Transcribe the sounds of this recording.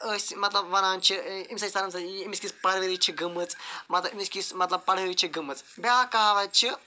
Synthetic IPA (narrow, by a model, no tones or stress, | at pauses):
əsʲmɐt̪lɐbʋɐnaːnt͡ʃʰiimʲsɐt͡ʃʲit̪ɐnɐmsɐiimisʲkʲispɐɽəɾit͡ʃʰiɡɨmɨt͡smɐt̪lɐimisʲkʲismɐt̪lɐb̚pɐɽɐɾit͡ʃʰiɡɨmɨt͡sbʲaːkaːʋɐt͡ʃʰi